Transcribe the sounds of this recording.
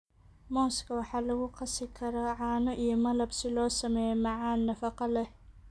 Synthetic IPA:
mɔːskʰɐwɑħɑːlɐɣʊqɑsɪkʰɐɾɔʕɑːnɔʔijɔmɐlɐbsɪlɔːsɐmɛːjɛmɑʕɑːnːɐfɑqɑlɛ

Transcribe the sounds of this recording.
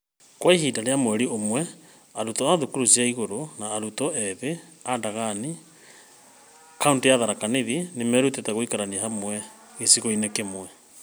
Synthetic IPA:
kwaiɦiːdaɾeamwɛɾiomwɛ | aɾutɔaðukuɾusiaiɣoɾonaːɾutɔʔɛðeadaɣani | kauntijaðaɾakaneðinemɛɾutetaɣoikaɾaniaɦamwɛ | esiɣoinekemwɛ

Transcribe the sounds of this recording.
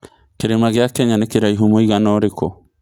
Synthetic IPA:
keɾemaɣeakɛɲanekeɾaiɦomoiɣanɔːɾekɔ

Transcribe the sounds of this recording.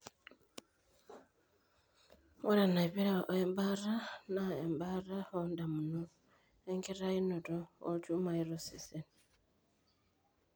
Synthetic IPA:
woɾanaβiɾaʔoembaranaembarahondamuno | eŋkiɾainotoo̰tumaiɾosisen

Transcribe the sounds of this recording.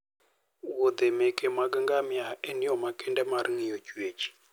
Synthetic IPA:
wod̪emekʼemaɡəŋɡamjaɛniɔmakendɛmaɾiŋijot͡ʃwet͡ʃi̥

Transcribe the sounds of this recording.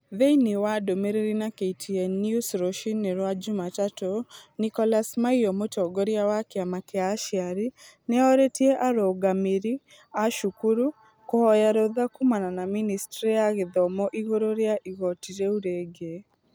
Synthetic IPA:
ðeinewadomeɾeɾinakeitʰiɛnjusɾoʃinːeɾwad͡ʒomatatonikɔlasmaiɔmotɔɡoɾjawakeamakeaʃiaɾi | neɔɾetieʔaɾoɡamiɾi | aʃukuɾu | kɔɔjaɾoðakumananaministɾiejaɣeðɔmɔʔiɣoɾoɾjaʔiɣɔtiɾeuɾeɡe

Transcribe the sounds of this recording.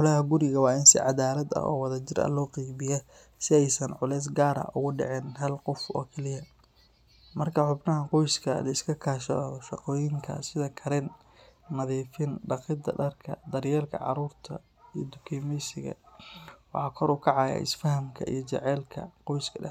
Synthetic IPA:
ħʊlɐhɐɡʊɾɪɣɐwɑːɪnsɪ̰ʕɑðaːlɐd̪ɐ̰hɔ̰ːwɑðɐt͡ʃɪɾɐ̰lɔːqiːβɪjɐ | sɪɛjsɐnʕʊlɛːs̬ɡaːɾɐ̰ʔʊɣʊɖɛ̰ʕɛːnɦɐlqʊfɔ̰ːkʰɛlɪjɐ | mɐrkʰɐħʊbnɐɦɐqɔjskʰɐlɐɪskʰɐkʰaːʃɔʃɑqɔːjɪŋkʰɐ̰sɪðɐkʰɐɾɛnː | ɐðiːfɪnɖɑqɪd̪ɐ̰ɖɐrkʰɐ̰d̪ɐrjɛːlkʰɐ̰ʕɑ̰ɾuːrt̪ʰɐ̰ | ijɔ̰d̪ʊkʰiːmɛjsɪɣɐ̰ | wɑ̰ħɑːkʰɔɾʊkʰɑʕɑːja̰ːʔɪ̰sfɐɦɐmkʰɐʔḭjɔt͡ʃɛ̰ʕɛːlkʰɐ̰qɔjskʰɐɖɐ

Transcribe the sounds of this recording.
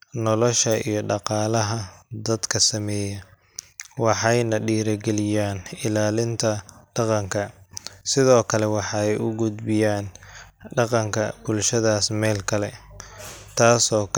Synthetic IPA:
nɔlɔʃɐḭjɞɖɑqɑːlɐɦɐd̪ɐd̪kʰɐsɐmɛːjɐ | wɑħɑjnɐɖiːɾɐɡɛlɪjaːnɪlaːlɪnt̪ʰɐɖɑqɑŋkʰɐsɪðɔːkʰɐlɛwɑħɑɛjʊɡʊd̪bɪjaːnɖɑqɑŋkʰɐbʊlʃɐðaːsmɛːlkʰɐlɛ | t̪ʰaːsɔːk

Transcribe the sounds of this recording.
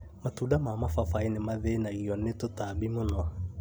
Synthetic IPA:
matuːdamamafafainemaðenaɣiɔnetotabimonɔ

